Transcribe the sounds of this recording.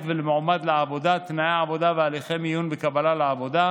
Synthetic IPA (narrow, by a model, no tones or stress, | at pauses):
t̪velemoʕmad̪leʕavo̞d̪at̪najeʕavo̞d̪avealiχemijunbekabalaleavo̞d̪a